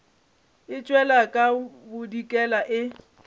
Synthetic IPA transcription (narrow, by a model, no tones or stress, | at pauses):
ɪt͡ʃʼwɛlakʼabʊdikʼɛlaʔɪ